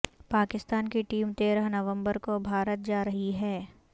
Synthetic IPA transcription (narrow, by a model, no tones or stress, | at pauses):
paːkɪst̪aːnkiʈiːmt̪eːɾəɦnɐʋə̃mbəɾkobʱaːɾət̪̚d͡ʒaːɾɐɦiɦɛː